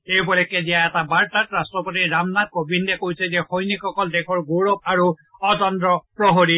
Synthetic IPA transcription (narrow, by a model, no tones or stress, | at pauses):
ejbɔlɛkɛzijaɛtabaɹtatɹastɹɔpotiɹamnat̚kobindɛkojsɛzɛxɔjnikɔkɔldɛkʰɔɹɡoɹɔp̚aɹuɔdɔndɹɔpɹɔɦɔɹi